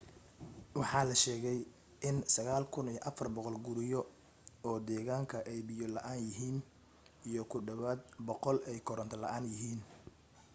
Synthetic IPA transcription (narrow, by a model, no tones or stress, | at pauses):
wɑħɑːlɐʃɛːɣɛj | ʔɪnsɐɣaːlkʰʊnijɔʔɐfɐrbɔqɔlɡʊɾɪjɔ | ɔːd̪ɛːɣaːŋkʰɐʔɛjbɪjɔlɐʔaːnjɪɦiːn | ijɔkʰʊɖɐβaːd̪̚bɔqɔlɛjkʰɔɾɐnt̪ʰɐlɐ̰ʔaːnjɪɦiːn